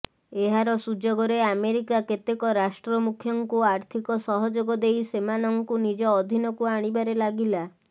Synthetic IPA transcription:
eɦaɾɔsud͡ʒɔɡɔɾeameɾikaket̪ekɔɾasʈɾɔmukʰjɔŋkuaɾt̪ʰikɔsɔɦɔd͡ʒoɡɔd̪ejsemanɔŋkunid͡ʒɔːd̪ʱinɔkuaɽ̃ibaɾelaɡila

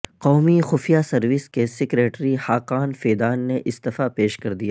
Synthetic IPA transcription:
qɔːmixʊfijasɐɾʋɪskesɪkɾeːʈɾihaːqaːnfeːd̪aːnːeʔɪst̪ɐfapeːʃkɐɾd̪ijaː

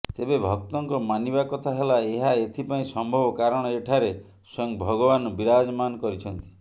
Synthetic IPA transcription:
t̪ebebʱɔk̚t̪ɔŋkɔmanibakɔt̪ʰaɦelaeɦaet̪ʰipaĩsɔmbʱɔbɔkaɾɔɽ̃ɔeʈʰaɾe | sɔŋbʱɔɡɔbanɔbiɾad͡ʒɔmanɔkɔɾit͡ʃʰɔnt̪i̥

